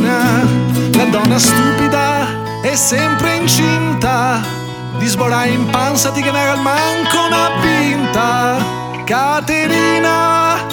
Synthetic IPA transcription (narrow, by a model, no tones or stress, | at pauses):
na | lad̪ɔnːast̪upid̪a | ɛsːɛmpɾeint͡ʃint̪a | d̪izboɾajimpansad̪ikenɛɾalmaŋkonapːint̪a | kat̪eɾiːna